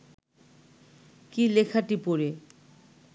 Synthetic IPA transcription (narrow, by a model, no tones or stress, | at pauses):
kilekʰaʈipoɾe